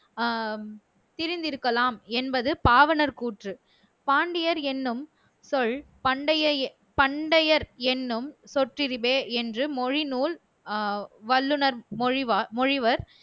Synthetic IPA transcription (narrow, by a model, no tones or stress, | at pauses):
t̪ɪɾɪnd̪ɪɾɯkːɐlaːmɛnbɐðɯpaːʋɐnɐɾkuːʈrɯ | paːɳɖɪjɐɾɛnːɯm | sɔɭ | pɐɳɖɐjɐ | pɐɳɖɐjɐɾɛnːɯmsɔʈrɪɾɪbeːɛndrɯmɔɻɪnuːl | ʋɐlːɯnɐɾmɔɻɪʋamɔɻɪʋɐɾ